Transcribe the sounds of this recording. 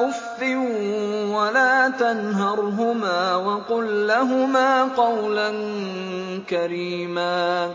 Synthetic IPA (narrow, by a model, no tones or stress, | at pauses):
ʊfːɪuwalaːt̪anɦɑɾˤɦʊmaːwɑqʊlːaɦʊmaːqɑwlan | kaɾiːmaː